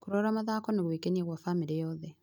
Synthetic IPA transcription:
kuɾoɾamaðakɔneɣwikenieɣwafamiɾijɔðɛ

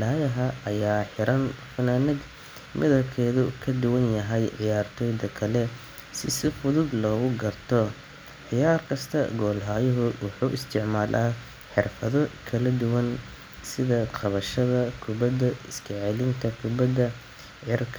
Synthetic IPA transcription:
laːjɐɦɐɐjaːħɪɾʔɐnfɐnaːnɐɡ | mʔɪðɐbkʰɛːðʊukʰɐd̪ʊwɐnjɐɦɛjʕɪjaːrt̪ʰɔːjd̪ɐkʰɐlɛ | sɪsɪfʊðʊd̪lɔːɣʊɡɐrt̪ʰɔ | ʕɪjaːrkʰɐst̪ʰɐ̰ɡɔːlɦaːjɔɦʊwɑħuːʔɪst̪ʰɪʕmaːlʔa̰ː | ħɪrfɐðɔkʰɐlɐd̪ʊwɐn | sɪðɐqɑβɐʃɐðɐkʰʊbɐd̪ɐɪskʰɛʕɛlɪŋk̪ʰɐkʰʊbɐd̪ɐ | ʕɪrkʰ

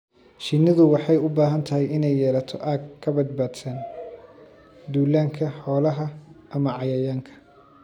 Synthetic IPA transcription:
ʃɪnɪðʊwɑħɑjʊbaːɦɐnt̪ʰɐɦɛjɪnɛjːɛːlɐt̪ʰɔʔaːɡkʰːɐbɐd̪̚baːd̪sɐn | d̪uːlaːŋkʰɐħɔːlɐɦɐʔɐmɐʕɑjɐjaːŋkʰɐ̥

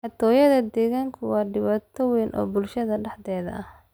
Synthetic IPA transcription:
ħɑt̪ʰɔːjɐðɐd̪ɛːɣaːŋkʰʊwɑːɖɪβɑːt̪ʰɔwɛːnʔɔ̰ːbʊlʃɐðɐɖɐħd̪ɛːðɐ̰ʔɐh

